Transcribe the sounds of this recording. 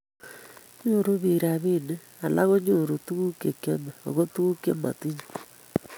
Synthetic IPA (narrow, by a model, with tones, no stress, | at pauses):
ɲo˦˨ɾo˦βi˨ɾa˨βi˦ne˦ | a˨la˦ɣo˦ɲu˦˨ɾo˨tu˦ɣu˦ke˨ke˦me˨o̰˨ɣo˦tu˦ɣu˦ke˦ma̰˨ti˦ɲu̥˨